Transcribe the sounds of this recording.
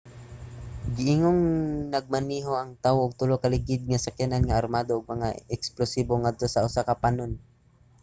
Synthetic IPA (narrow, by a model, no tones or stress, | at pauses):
ɡɪʔɪŋoŋnɐɡ̚mɐniːɦoʔɐŋt̪awoʔʊɡ̚t̪ʊlokɐlɪɡɪd̪̚ŋasakjananŋaʔaɾmaːd̪oʔːɡ̚mɐŋaɛksplosiːboŋad̪̚t̪o̞sɐʔʊsakapanon